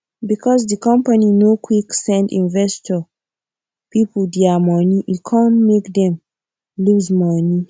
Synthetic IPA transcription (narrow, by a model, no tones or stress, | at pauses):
bikʰɔzdikɔ̃mpaninokʰwiksɛ̃ndĩnvɛstɔ | pipuldiamɔniʔikʰãnmekdɛ̃m | luzmɔni